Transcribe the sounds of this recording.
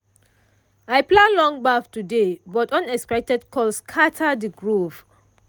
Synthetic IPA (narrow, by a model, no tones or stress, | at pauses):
ajplãnlɔ̃ŋbaftudebɔtɔ̃nɛkspɛk̚tɛdkʰɔlskʰatʰadiɡɹov